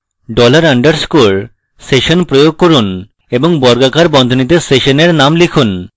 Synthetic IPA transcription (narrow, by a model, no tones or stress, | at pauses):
ɖɔlaɾaɳɖaɾskul | seʃonpɾojoɡ̚kɔɾun | eboŋbɔɾɡakaɾbɔnd̪ʱonit̪̬eseʃoneɾnamlikʰun